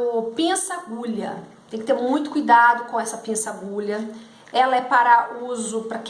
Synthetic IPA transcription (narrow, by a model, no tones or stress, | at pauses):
ʊpẽsaɡuʎɐ̰t̪ẽj̃kɪt̪eɾmũj̃t̪ʊ̥kujd̪ad̪ʊkõɛsɐpẽsaɡuʎɐ | ɛlɐɛpaɾɐuzʊpɾɐk